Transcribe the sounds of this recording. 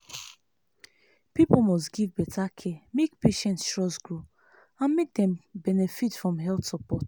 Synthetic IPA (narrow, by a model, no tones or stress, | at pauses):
pipol̩mɔstɡivbɛtʰakʰemekpeʃɛ̃ntstɹɔsɡɹo | ãnmek̚dɛ̃mbɛnɛfitfɹɔ̃mɦɛltsɔpɔt